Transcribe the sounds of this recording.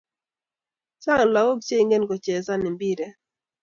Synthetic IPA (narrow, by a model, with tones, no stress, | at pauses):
t͡ʃa˦ŋ˨la˨wo˦k̚t͡ʃe˦i˨ŋɡe˦nko˨t͡ʃɛ˨sa˦nɪ˨mbi˦ɾɛ˨